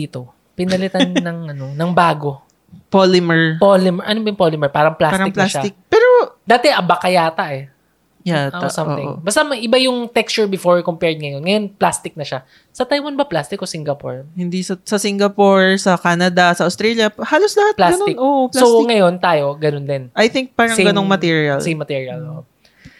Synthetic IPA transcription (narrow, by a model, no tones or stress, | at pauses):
iːt̪o̞ | pɪnɐlɪt̪annːɐŋʔɐno̞nɐŋbaːɡo̞ | polɪmɛɹpolɪmɛɹʔɐnobɐjʊŋpolɪmɛɹpaːɾɐŋplasaɾɐɪplasaɪk̚pɛːɾod̪aːt̪ɛʔɐbɐkɐjaːt̪ɐʔɛ | jaʔoʔamɪ̰ŋ̰bɐst̪amɐjʔɪbajʊŋt̪ɛkst͡ʃʊɹbɪfoɹkompɛɹd̪̚ŋɐjonŋɐjo̞nplast̪ɪk̚nɐʃa | sɐt̪ajwɐnbɐplast̪ɪkosɪŋɡɐpo̰ɹhɪnd̪isɐsɐsɪŋɡɐpoɹsɐkaːnɐd̪ɐsɐʔɐʊst̪ɾɛːljɐhaːloslɐhat̪̚plaɡɐnoɪnʔoʔplsoŋɐjo̞nt̪aːjo̞ɡɐnond̪ɪnʔɐjθɪŋk̚paːɾɐŋɡɐnoŋmɐt̪iɹiɐlsejmːɐt̪iːɹiɐlʔoʔo